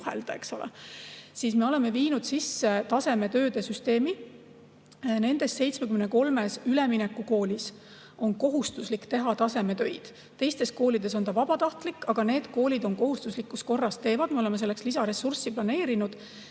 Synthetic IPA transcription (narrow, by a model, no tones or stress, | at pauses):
hḛld̪̥ɑe̞kso̞lḛsiːsme̞o̞le̞me̞viːnud̪̥sisːe̞t̪ɑse̞me̞t̪ø̞ːd̪̥e̞syst̪e̞ːmi | ne̞nd̪e̞st̪se̞jt̪sme̞kymneko̞lme̞syleminekːˑuko̞ːlʲis | o̞nko̞ɦust̪uslikːt̪e̞ɦɑt̪ɑse̞me̞t̪ø̞jd̪̥ | t̪ːe̞jst̪e̞s̚ko̞ːlid̪e̞so̞nt̪ɑvɑbɑt̪ɑht̪likːɑɡ̥ɑne̞ːd̪̥ko̞ːlʲid̪o̞nko̞ɦust̪uslikːus̚ko̞rːɑst̪e̞ːvɑd̪̥me̞o̞le̞me̞se̞lːe̞kslisɑɾe̞sursiplɑne̞ːɾinud̪̥